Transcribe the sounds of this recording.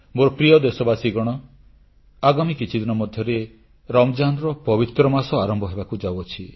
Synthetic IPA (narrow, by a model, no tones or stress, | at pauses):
moɾɔpɾijɔd̪esɔbasiɡɔɽ̃ɔ | aɡamikit͡ʃʰid̪inɔmɔd̪ʱjɔɾe | ɾɔmɔd͡ʒanɾɔpɔbit̪ɾɔmasɔaɾɔmbʱɔɦebakud͡ʒawɔt͡ʃʰi